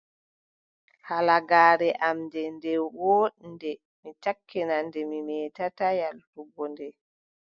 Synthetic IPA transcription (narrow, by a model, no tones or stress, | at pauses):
halaɡaːɾɛʔamdɛndɛwɔːɗndɛ | mitakʰːɛnandɛmimɛːtatajaltuɡɔndɛ